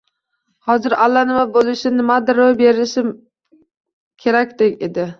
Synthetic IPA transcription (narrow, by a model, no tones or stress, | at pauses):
hɒzɪɾalːanɪmabolˠɪʃɪnɪmad̪ɪɾojbeɾɪʃɪ | kʲʰe̞ɾakʲd̪ekʲḛd̪ɪ